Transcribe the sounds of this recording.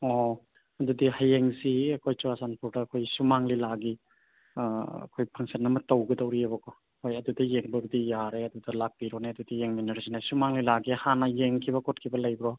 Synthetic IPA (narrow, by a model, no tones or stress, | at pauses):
ɔ | ɐdudihajeŋsiɐkʰojt͡ʃuasanpʰuɾdɐːkʰojsumaŋlilaɡi | ɐ̰kʰojpʰaŋsanːɐmɐtawɡɯdawɾiabɐkʰɔ | hojɐdudɐjeŋbɐbidijaɾeɐdudɐlak̚biɾɔneɐdudijeŋminɐɾsinasumaŋlilaɡihanɐjeŋkʰibɐkɔt̚kʰibɐlɐjbɾɔ